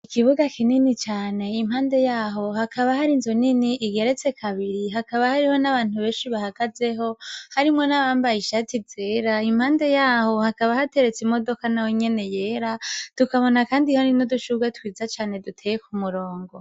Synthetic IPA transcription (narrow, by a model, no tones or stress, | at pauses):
ikiβuɡakininit͡ʃaːne̞im̥haːnde̞jaːɦo̞hakaβahaɾinzoniniʔiɡe̞ɾet͡se̞kʰaβiɾiɦakaβahaɾiho̞naβaːn̥huβeːnʃiβahaɡ̥aze̞ɦo̞haɾimŋo̞naβaːmbajiʃatiz̥eːɾaim̥haːnde̞jaːho̞hakaβahate̞ɾe̞t͡simo̞do̞kanaweɲe̞ne̞jeːɾatukaβo̞nakaːndihoninuduʃuɡatwiːzat͡ʃaːne̞dutʰejekumuɾo̞ːŋɡo̞